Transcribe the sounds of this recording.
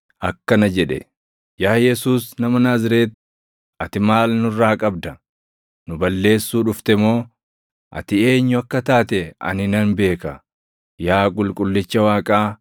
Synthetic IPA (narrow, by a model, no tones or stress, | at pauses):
ʔɐkːɐnɐd͡ʒɛᶑɛ̰ | jaːjɛsuːsnɐmɐnaːzɪɾeːt̪ | ɐt̪ɪmaːlnʊrːaːkʼɐbd̪ɐ | nʊbɐlːe̞ːsːuːᶑʊft̪ɛmo̞ː | ʔɐ̰t̪ɪe̞ːɲːʊɐkːɐt̪aːt̪ɛɐ̰nɪnɐnbe̞ːkɐ | jaːkʼʊlkʼʊlːɪt͡ʃːɐwaːkʼaː